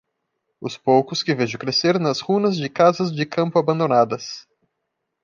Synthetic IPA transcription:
ʊspowkʊskɪveʒõkɾeseɾnɐshũnɐzd͡ʒɪkazɐzd͡ʒɪkɐ̃mpʊabɐ̃nd̪õnad̪ɐs

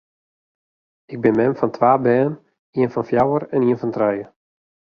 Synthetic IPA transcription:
ɪɡ̚bɪnmɛmfɔntʰʋaːbɛːnən | iənfɔnfjawəɾɛniənfɔntrɛjə

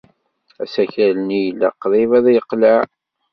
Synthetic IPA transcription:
æ̰sæçælənijlːæ̰qːðˤivæðjəqːlaʕ

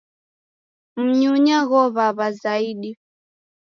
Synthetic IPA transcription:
m̩ɲuɲaɣɔβaβazaiɗi

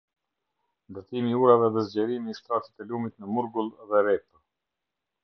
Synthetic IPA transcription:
nd̪əɾt̪imiuɾavɛðɛzɟɛɾimiːst̪ɾat̪i̥t̪ɛlumit̪nəmuɾɡulˠðɛɾɛp

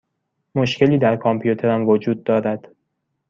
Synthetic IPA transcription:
mo̞ʃcʰe̞liːd̪æɾkʰɒmpʰjut̪ʰe̞ɾæmvod͡ʒuːd̪̚ːɒːɾæd̪̥

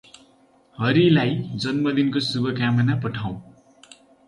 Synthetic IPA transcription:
ɦʌɾilajd͡zʌnmʌd̪inkosubʌkamʌnapʌʈʰaw̃

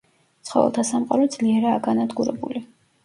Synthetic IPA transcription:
t̪sχɔvɛ̰lˠt̪ʰasamqʼaɾɔd̪z̥liɛɾaːɡanad̪ɡuɾɛ̰bṵli

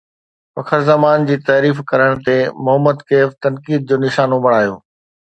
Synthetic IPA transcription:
fɐkʰəɾzɐmaːnd͡ʑiːt̪aːɾiːfkɐɾəɽ̃t̪emʊɦəmːəd̪keːft̪ɐnkiːd̪̚d͡ʑoːnɪʃaːnõbɐɽ̃aːjo̰ː

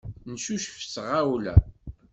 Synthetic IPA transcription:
nsuʃəfsʁawlæ̰

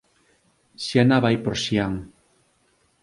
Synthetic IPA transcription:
sjanaβajpoɾsiaŋ

